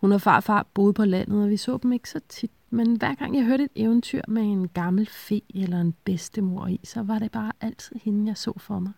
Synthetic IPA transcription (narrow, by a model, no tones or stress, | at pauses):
hunɑfɑ̰̈ːfɑ̰̈ːb̥o̝ːð̩ˠpʰɒ̽læn̰ð̞̩ˠɒʋisɔ̰ːd̥eme̝ɡ̥ə̥sɒ̽t͡sʰid̥menʋæɐ̰ɡ̥ɑ̈ŋ̰jɑ̈ɪɦøɐɾ̥əe̝d̥eʊn̩t͡sʰyɐ̰mee̝nɡ̥ɑ̈ml̩fe̝̰ːelɐenb̥esd̥əmo̝ɐ̰isɒ̽ʋɑ̈ɾe̝b̥ɑ̈ːʔæl̰t͡sʰið̰ˠhe̝nn̩jɑ̈ɪsɔ̰̽ːfɒmɑ̈ɪ